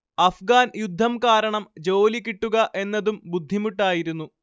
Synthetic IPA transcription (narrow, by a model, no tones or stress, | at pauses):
ɐfɡaːnjud̪ʱːɐmkaːɾɐɳɐmd͡ʑo̞ːlikːiʈːuɣɐʔe̞nːɐðumbud̪ʱːimuʈːaːjiɾunːu